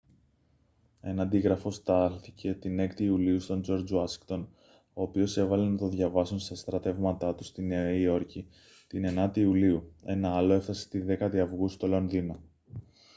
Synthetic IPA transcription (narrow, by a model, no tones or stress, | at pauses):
e̞nɐːnd̪iɣɾɐfo̞st̪ɐlθice̞t̪ine̞kt̪iːuliust̪o̞nd͡ʒo̞ɾd͡zuɐsi̥kt̪o̞n | o̞ːpio̞se̞vɐle̞nɐt̪o̞ðʝɐvɐsunst̪ɐst̪ɾɐt̪e̞vmɐt̪ɐt̪ust̪ineio̞ɾci | t̪ine̞nɐt̪iuliue̞̰nɐɐlo̞e̞fθɐse̥t̪iðe̞kɐt̪iɐvɣust̪o̞lo̞nðino